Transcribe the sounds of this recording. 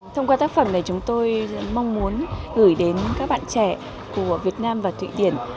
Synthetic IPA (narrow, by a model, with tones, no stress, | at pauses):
t̪ʰə˧wŋ͡mkwa˧t̪aː˦˥k̚fə˧˩na˨˩t͡ɕʊ˨˦ŋ͡mt̪o˧jma˧wŋ͡mmu˨˦ənɣɨ˧˩jɗe˨˦nkaː˦˥k̚ɓa̰ː˧˨nt͡ɕɛ˧˩˨ | ku˧˩əvi˨˩ət̚naː˧mvaː˨˩t̪ʰwḭ˧˨ɗi˧˩ən